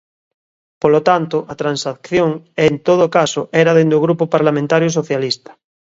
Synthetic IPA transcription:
polot̪ant̪oʔat̪ɾansakθjoŋent̪oð̞okasoʔeɾaðend̪oɣɾupopaɾlamẽnt̪aɾjos̬oθjalist̪ḁ

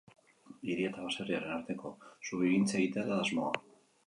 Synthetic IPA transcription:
iɾiet̪aβaseriaɾe̞naɾt̪e̞ko̞suβiɣint͡seɣit̪eat̪aazmo̞a̰

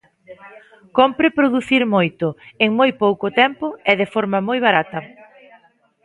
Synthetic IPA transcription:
kompɾɪpɾoðuθiɾmojt̪ʊeŋmojpowkʊt̪ɛmpʊɛðɪfɔɾmɐmojβ̞aɾat̪ɐ

